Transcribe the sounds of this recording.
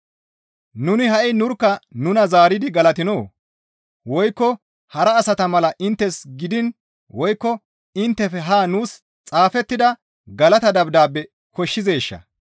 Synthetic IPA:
nʊnɪɦɐʔɪnʊɾkːɐnʊnɐzaːɾɪd̪ɪɡɐlɐt̪ɪnoː | wɔjkːɔ | hɐɾɐːsɐt̪ɐmɐlɐʔɪnt̪ːɛsɡɪd̪ɪn | wɔjkːɔ | ɪnt̪ːɛfɛɦaːnuːs | t͡sʼaːfɛt̪ːɪd̪ɐ | ɡɐlɐt̪ɐd̪ɐbd̪aːbːɛ | kɔʃːɪze̞ːʃːɐ̰

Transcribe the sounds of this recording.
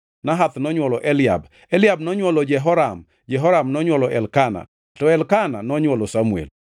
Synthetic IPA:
naɦat̪nɔɲwɔlɔʔɛlɪa̰b | ɛlɪabnɔɲwɔlɔd͡ʒɛɦɔɾam | d͡ʒɛɦɔɾamnɔɲwɔlɔʔɛ̰lkana̰ | tɔɛlkana̰nɔɲwɔlɔsamuḛl

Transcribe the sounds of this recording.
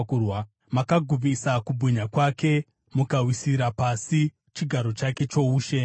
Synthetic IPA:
uw | makaɡʱub͡visakubʱuɲakwake̞ | mukawisiɾapasi | t͡ʃiɡʱaɾo̞t͡ʃake̞t͡ʃo̞uːʃe̞

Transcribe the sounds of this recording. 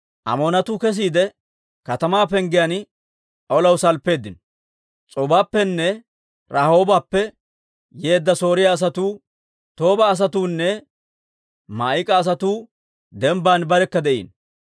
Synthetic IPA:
ʔɐ̰moːnɐt̪uːkɛs̬iːd̪ɛ | kɐt̪ɐmaːpɛŋɡɪjɐn | ɔlɐwsɐlpːe̞ːd̪ːɪnɔ | t͡sʼɔbaːpːɛnːɛ | ɾaho̞ːbaːpːɛ | jeːd̪ːɐso̞ːɾɪjaːs̬ɐt̪uː | t̪o̞ːbɐːs̬ɐt̪uːnːɛ | maːɪkʼɐːs̬ɐt̪uː | d̪ɛmbaːnbɐɾɛkːɐd̪ɛʔḭːn

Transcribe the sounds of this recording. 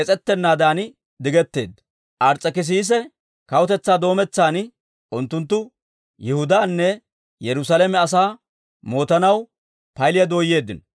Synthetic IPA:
ɛt͡sʼɛt̪ːɛnːaːd̪aːn | d̪ɪɡɛt̪ːe̞ːd̪ɐ | ʔɐɾt͡sʼːɐkɪs̬iːs̬ɛ | kɐwʊt̪ɛt͡sːaːd̪o̞ːmɛt͡sːaːn | ʔʊnt̪ːʊnt̪̬ːʊ | jɛhʊd̪aːnːɛ | jɛɾʊsalɛmɛɐs̬aː | mo̞ːt̪ɐnɐw | pɐjlɪjɐd̪oːjːe̞ːd̪ːɪn

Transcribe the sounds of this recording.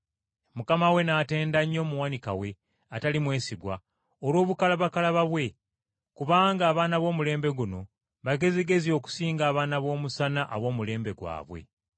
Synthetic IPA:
mukamawe̞nate̞ːndaɲːo̞ːmuwanika̰we̞ | atalimwe̞ːsiɡwa̰ | olwo̞ːβukalaβakalaβaβwe̞ | kuβaːŋɡaːβaːnaβo̞ːmule̞ːmbe̞ɡuno̞ | βaɡe̞ziɡe̞zio̞ːku̥siːŋɡaːβaːnaβo̞ːmusanaʔaβo̞ːmule̞ːmbe̞ɡwa̰ːβwe̞̰

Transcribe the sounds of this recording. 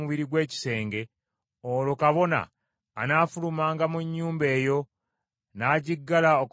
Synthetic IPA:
muβiɾiɡwe̞ːci̥se̞ːŋɡe̞ | olokaβo̞na̰ː | naːfulumaːŋɡamuɲːuːmbe̞ːjo̞ | naːɟiɡːalaok

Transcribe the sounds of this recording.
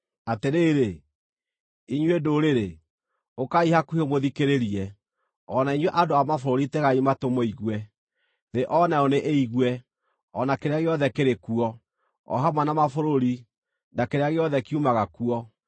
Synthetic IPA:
ateɾeːɾe | iɲwedoɾeɾe | okaihakuihomoðikeɾeɾiɛ | ɔnaiɲwɛʔadoamafoɾoɾiteɣaimatomɔiɣwɛ | ðeʔɔnaɔneʔeiɣwɛ | ɔnakeɾeaɣeɔðɛkeɾekuɔ | ɔ̰ɦamwanamafoɾoɾi | nakeɾeaɣeɔðɛkiumaɣakuɔ

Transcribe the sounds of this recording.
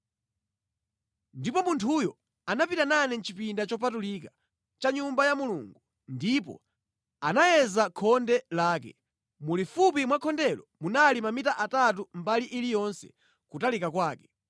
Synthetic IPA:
ndipɔmuntʰujɔ | anapitananɛn̩t͡ʃipindat͡ʃɔpatulika | t͡ʃaɲumbajamulṵːŋɡu | ndipɔ̰ | anajɛzakʰɔndɛlaːk̬ɛ̰ | mulifupimwakʰɔndɛlɔmunalimamitaʔatat̬um̩baliʔilijɔnsɛ̥̰ | kutalikakwaːkɛ̥

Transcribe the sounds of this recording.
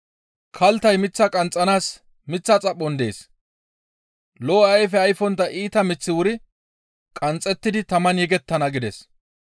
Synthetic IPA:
kʰɐlt̪ɐjmɪt͡sːɐkʼɐnt͡sʼːɐnaːs | mɪt͡sːɐt͡sʼɐɓːɔnd̪e̞̰ːs | lɔɐjfɛɐjfɔnt̪ːɐʔiːt̪ɐmɪt͡sːɪwʊɾɪ | kʼɐnt͡sʼːɛt̪ːɪd̪ɪt̪ɐmɐnjɛɡɛt̪ːɐnɐɡɪd̪ɛs

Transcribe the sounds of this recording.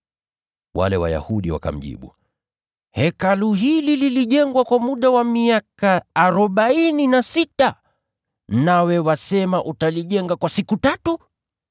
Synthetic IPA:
wa̰lɛwa̰ja̰huɗiwa̰ka̰m̩ʄḭɓṵ | hɛkaluɦilililiʄɛŋɡwakwamuɗawamiakaːɾɔɓaininasita | nawɛwasɛmaʔutaliʄɛŋɡakwasikutatu

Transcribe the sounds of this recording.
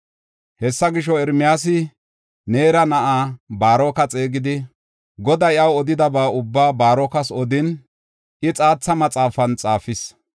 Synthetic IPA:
hɛsːɐɡɪʃɔɛɾmɪjaːs̬ɪ | neːɾɐnɐʔaːbaːɾɔːkɐt͡sʼe̞ːɡɪd̪ɪ | ɡɔd̪ɐɪʔɐwɔd̪ɪd̪ɐbaːʊbːaːbaːɾɔkɐsɔd̪ɪn | ɪt͡sʼaːt͡sːɐmɐt͡sʼaːfɐnt͡sʼaːfɪs

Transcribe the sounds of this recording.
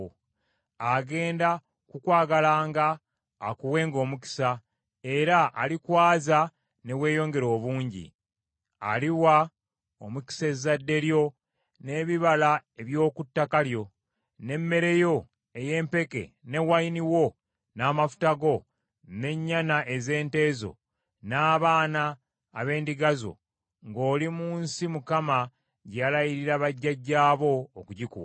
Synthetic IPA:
aɡe̞ːnda | kukwaːɡalaːŋɡaː | kuwe̞ːŋɡo̞ːmuki̥sa | e̞ɾaʔa̰likwaːza | ne̞we̞ːjo̞ːŋɡe̞ɾo̞ːβuːɲɟḭ | a̰liwa | omuki̥sezadːe̞ɾjo̞ | ne̞ːβiβalae̞βjo̞ːkutːakaljo̞ | ne̞mːe̞ɾe̞jo̞ | e̞je̞ːmpe̞ke̞̰ne̞wajiniwo̞ | naːmafu̥taɡo̞ | ne̞ɲːanaʔe̞ze̞ːnte̞ːzo̞̰ | naːβaːnaː | βe̞ːndiɡazo̞̰ | ŋɡo̞ːlimuːnsimukama | ɟalajiɾiɾaβaɟːaɟːaːβo̞ːkuɟikṵwa

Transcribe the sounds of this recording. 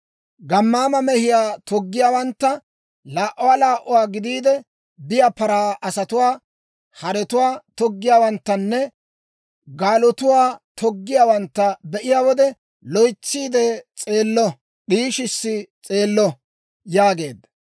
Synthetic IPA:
ɡɐmːaːmɐmɛhɪjaːt̪ɔɡːɪjaːwɐnt̪ːɐ | laːʔɔwaːlaːʔɔwaːɡɪd̪iːd̪ɛ | bɪjapɐɾaːʔɐsɐt̪ʊwaː | hɐɾɛt̪ʊwaːt̪ɔɡːɪjaːwɐnt̪ːɐnːɛ | ɡaːlɔt̪ʊwaːt̪ɔɡːɪjaːwɐnt̪ːɐbɛʔɪjaːwɔd̪ɛ | lɔjt͡sːiːd̪ɛt͡sʼe̞ːlːɔ | ɗiːʃɪsːɪt͡sʼe̞ːlːɔ | jaːɡe̞ːd̪ɐ

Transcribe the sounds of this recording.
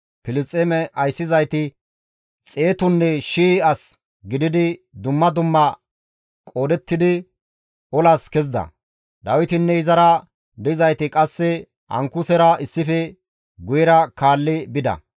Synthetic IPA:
pɪlɪst͡sʼːemɛɐjsːɪzɐjt̪ɪ | t͡sʼe̞ːt̪ʊnːɛʃiːɐs | ɡɪd̪ɪd̪ɪd̪ʊmːɐd̪ʊmːɐ | kʼo̞ːd̪ɛt̪ːɪd̪ɪ | ɔlaskɛzd̪ɐ̰ | d̪ɐwɪt̪ɪnːɛɪzɐɾɐ | d̪ɪzɐjt̪ɪkʼɐsːɛ | ɐ̰ŋkʊsɛɾɐɪsːɪfɛ | ɡʊjɛɾɐkaːlːɪbɪd̪ɐ̰

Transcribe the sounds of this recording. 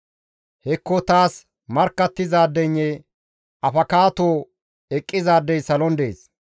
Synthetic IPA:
hɛkːɔt̪aːs | mɐɾkːɐt̪ːɪzaːd̪ːɛɲːɛ | ɐfɐkaːt̪oː | ɛkʼːɪzaːd̪ːɛjsɐlɔnd̪ḛːs

